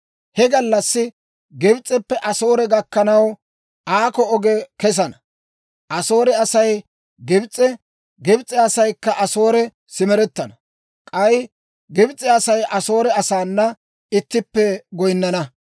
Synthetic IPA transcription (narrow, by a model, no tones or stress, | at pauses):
hɛɡɐlːɐsːɪ | ɡɪbt͡sʼːɛpːɛʔɐso̞ːɾɛɡɐkːɐnɐw | ʔaːkɔɔɡɛkɛs̬ɐnɐ | ʔɐsoːɾɛɐsɐj | ɡɪbt͡sʼːɛ | ɡɪbt͡sʼːɛɐsɐjkːɐʔɐso̞ːɾɛ | sɪmɛɾɛt̪ːɐnɐ | kʼɐj | ɡɪbt͡sʼːɛɐsɐjʔɐso̞ːɾɛɐsaːnːɐ | ɪt̪ːɪpːɛɡɔjnːɐnɐ